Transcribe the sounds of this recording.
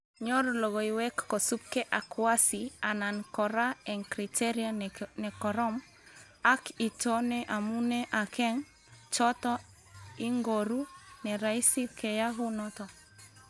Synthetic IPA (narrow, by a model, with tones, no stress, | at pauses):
ɲo˦ɾo˨lo˨ɣo˨i˨wɛ˦kːo˨su˦p̚kɛ˦ʔa˨kwa˦si˨a˨na˨nkɔ˨ɾa˦ɛ˨ŋkɾi˨te˦ɾianɛ˨kɔ˨ɾɔ˦m | a˦ki˨to˦nɛʔa˨mu˦nɛ˦ʔa˨kɛ˦ŋ | t͡ʃɔ˦tɔ˦ | i˦ŋɡo˨ɾu˦nɛ˨ɾa˨i˦si˦kɛ˨ja˦ɦu˦nɔ˦t̪ɔ˨